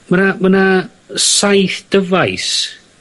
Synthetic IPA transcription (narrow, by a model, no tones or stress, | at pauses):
manamana | sajθd̥əvajs